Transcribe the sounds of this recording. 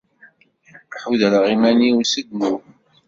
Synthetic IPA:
ħuðəlʁimæniwsəɡmu

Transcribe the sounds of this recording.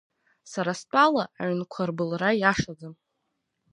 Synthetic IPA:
saɾast͡pʼalaːʕnkʷʰarbɨlrajaʂad͡zɨm

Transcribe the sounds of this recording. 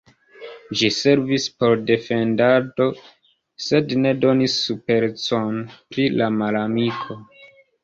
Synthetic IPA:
d͡ʒise̞ɾvispo̞ɾde̞fe̞ndato̞ | se̞dne̞do̞nisːupe̞ɾt͡so̞npɾilamalamikʰo̞

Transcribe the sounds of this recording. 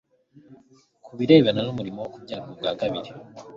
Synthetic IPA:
kʰuβiɾe̞ːβananumuɾimowokubɟaːkob̚ɡaːɡaβiɾi

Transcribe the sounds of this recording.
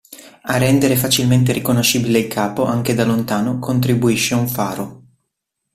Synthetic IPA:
arːɛnd̪eɾefat͡ʃilment̪eɾikonoʃːiːbileilkʰaːpoʔaŋked̪alont̪aːnokʰont̪ɾibuiʃːeuɱfaːɾo

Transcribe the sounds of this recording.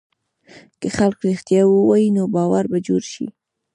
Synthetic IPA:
kəxalkɾixt̪jɑwəwɑjinobɑwaɾbad͡ʒoɾʃḭ

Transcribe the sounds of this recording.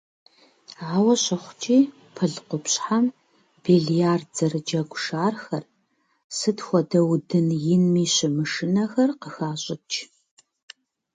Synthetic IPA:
ʕaːwɐɕɐχʷʊt͡ʃʼiː | pʰɨɮqʷʊpɕħam | b̥iɮijaːrd͡zɐrɨd͡ʒɐɡʷʊʂaːrxɐr | sɨtxʷɔdɐwdɨnjɪnmiːɕɪmɨʂɪnɐxɐrqəxaːɕʼɪt͡ʃʰʼ

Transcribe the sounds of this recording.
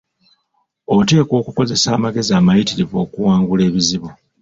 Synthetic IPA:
o̞te̞ːko̞ːkuko̞ze̞saːmaɡe̞ziaːmajitiɾivo̞ːkuwaːŋɡule̞ːβiziβo

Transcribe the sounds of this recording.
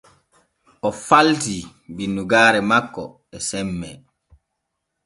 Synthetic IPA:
ʔɔfalti | binːuɡaːɾɛmakːɔ | ɛsɛmːɛ

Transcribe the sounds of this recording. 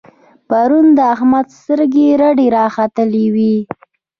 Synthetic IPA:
paɾund̪əaɦmad̪st̪əɾɡeɾaɖeɾɑxat̪əlewi

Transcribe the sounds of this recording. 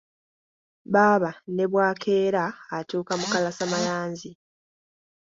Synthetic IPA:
βaːβane̞βwaːkʰe̞ːɾaːtuːkamukalasamajaːnzi

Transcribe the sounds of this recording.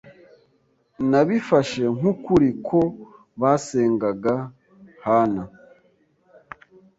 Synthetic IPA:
naβifaʃe̞ŋ̥ukuɾikʰo̞ | βase̞ːŋɡaɡa | hana

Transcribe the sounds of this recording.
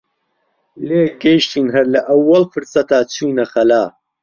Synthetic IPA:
leːɡɐʃt̪ʰiːnɦɐɾlɐʔɐwːɐlfɨɾsɐt̪aːt͡sʰuːnɐxɐlaː

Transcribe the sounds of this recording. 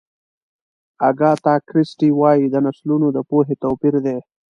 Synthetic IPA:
aɡɑːt̪ɑːkɾɪsʈiwɑːjid̪ənaslunod̪əpoɦet̪oːpiɾd̪e

